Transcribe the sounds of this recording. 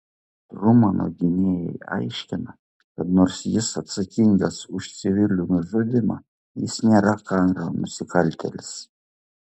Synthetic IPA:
rumɑno̰ɡʲɪnʲejɛ̰ja̰jʃʲkʲɪnɐ | kɐt̪noɾsʲjɪsɐt̪sɨkʲiŋɡɐsʊʃt̪sʲɪʋʲilʲunʊʒodʲɪmɐ̰ | jɪsʲnʲɛɾɑkɑnɾɐmʊsʲɪkɑlʲt̪ʲḛlʲs

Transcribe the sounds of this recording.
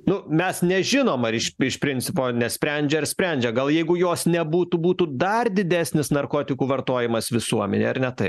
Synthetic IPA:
nʊmʲɛsnʲɛʒʲɪnoːmɐɾɪʃɪʃpʲɾʲɪnʲt͡s̪ʲɪpoːnʲɛsʲpʲɾʲɛnʲd͡ʒʲɛɐɾsʲpʲɾʲɛnʲd͡ʒʲɛɡɐlˠjɛɪɡʊjoːsnʲɛbuːt̪uːbuːt̪uːd̪ɐrd̪ʲɪd̪ʲæːsʲnʲɪsnɐrkoːt̪ʲɪkuːʋɐɾt̪oːjɪmɐsʋʲɪsuɔmʲɛ̰nʲḛːɐɾnʲɛt̪ɐɪp

